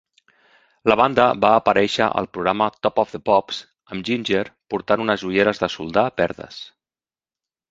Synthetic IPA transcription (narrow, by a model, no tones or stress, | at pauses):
ləβ̞and̪əβaːpəɾɛʃəʔə̰lˠpɾuɣɾamət̪ɔpɔvðəpɔps | əmʒinʲʒeɾpuɾt̪anunəzuʎeɾəzðəsṵlˠd̪apɛɾðə̰s